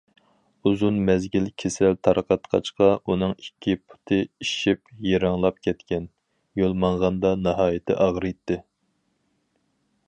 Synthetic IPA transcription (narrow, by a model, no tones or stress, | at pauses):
uzunmɛzɡʲilkʲʰesɛlt̪ʰɑɾəqʰɑt̪qʰɑ̰t͡ʃqɑʔunɨŋikʲʰːipʰu̥t̪ʰɨiʃipjeɾɑŋlˠɑp̚kʲʰɛt̪kʲɛn | jolˠmɑɴʁɑnd̪ɑnɑɦɑːjɪt̪ʰɪ̰ʔɑʁɾɨjt̪ʰːɪ